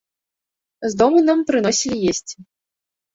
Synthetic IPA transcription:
zd̪ɔmɨnampɾɨnɔsʲilʲijesʲt͡sʲ

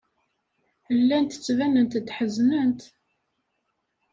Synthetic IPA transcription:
əlːænt̪ət͡sːvænənt̪d̪ħəznənt̪

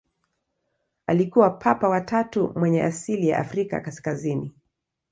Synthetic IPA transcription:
alikuwapʰapawatatumwɛɲɛʔasilija̰ʔafɾika̰kaskazini

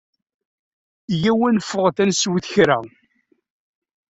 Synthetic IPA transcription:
jæwænfəʁθænswθçɾæ̰

